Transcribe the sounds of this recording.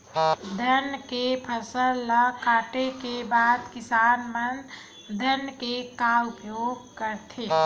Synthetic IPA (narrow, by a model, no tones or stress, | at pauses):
d̪ʱənkepʰəsəllakaːʈekebaːd̪kɪsaːnmən | d̪ʱənkekaːʊpjoːɡ̚kəɾt̪ʰeː